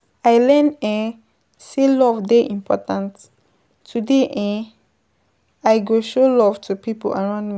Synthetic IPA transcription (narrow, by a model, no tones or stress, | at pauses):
ajlɛ̃nɛ̃ | selɔvdeʔĩmpʰɔ̰tãnt | tːudeʔɛ̃ | aɪɡoʃolɔv̥tʰupipo̰laɹãʊ̃ndmi